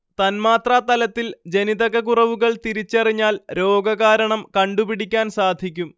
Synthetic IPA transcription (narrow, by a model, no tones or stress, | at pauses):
t̪ɐnmaːt̪raːt̪ɐlɐt̪ːild͡ʑe̞niðɐɣɐɣurɐʋuɣɐɭt̪iɾit͡ɕːɐriɲːaːlɾo̞ːɡɐɣaːɾɐɳɐmkɐɳɖupiɽikʲːaːnsaːd̪ʱikʲːum